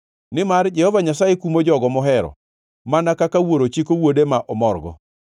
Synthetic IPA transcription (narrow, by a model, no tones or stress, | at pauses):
nɪmard͡ʒɛhɔvaɲasajekumod͡ʒɔɡɔmɔɦɛɾɔ̰ | manakakawoɾot͡ʃikowodemaʔɔmɔrɡɔ̰